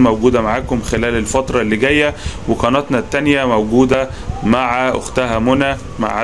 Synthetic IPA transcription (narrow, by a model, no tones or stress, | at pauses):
mæwɡuːd̪æmaʕaːkomxelæːlelfɑt̪ɾˤɑlːiɡæjːæwekɑːnæt̪nɑt̪ːænjæmæwɡuːd̪æ | maʕaʔo̰xt̪æɦæmonæ | ma̰ʕ